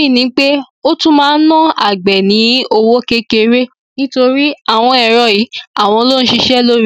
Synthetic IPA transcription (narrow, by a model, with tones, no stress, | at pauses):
i˦˨nĩ˨˦k͡pe˦ | o˦tũ˦mãː˦˧n̩˦nã˦˨a̰˨ɡ͡bɛ˨nĩ˨˦o˧wo˦ke˦ke˧ɾe˦ | nĩ˦to˧ɾi˦a˦˨w̃ɔ̃˧ɛ˨ɾɔ˨ji˨˦a˦˨w̃ɔ̃˧lo˦n̩˦ʃi˧ʃɛ˦lo˦ɾi˦˨